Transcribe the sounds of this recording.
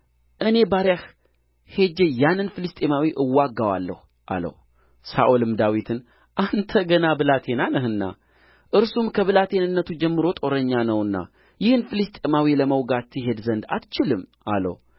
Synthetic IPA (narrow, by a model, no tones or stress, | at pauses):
ʔɨne̞baɾjah | he̞d͡ʒejanːɨnfɨlɨst̪ʼemawiʔɨwːaɡːawa̰lːə̰h | ʔa̰lə̰h | saʔolɨmd̪awit̪ʰɨn | ʔant̪ʰəɡənabɨlat̪ʰe̞nanəɦɨnːa̰ | ʔɨɾsumkʰəβɨlat̪ʰe̞nɨnːət̪ʰud͡ʒɛmːɨɾo̞t̪ʼo̞ɾəɲːanəwɨnːa̰ | jɪhɨnfɨlɨst̪ʼe̞mawiləməwɡat̪ʰːɨɦe̞d̪zənd̪a̰t̪t͡ʃɪlɨmʔa̰lə̰w